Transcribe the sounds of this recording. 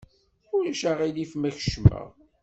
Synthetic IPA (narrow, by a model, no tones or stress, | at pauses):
ʊɾæʃaʁilifmæçə̥ʃmæ̰ʁ